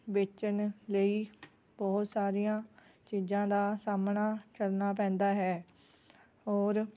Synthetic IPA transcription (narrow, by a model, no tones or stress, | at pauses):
bɪt͡ʃənləiː | bɔːt̪saːɾijãː | t͡ʃiːzãːd̪aːsaːmnaːt͡ʃəlnaːp̬ɛ̃ːnd̪aːɦɛː | ɦɔːɾ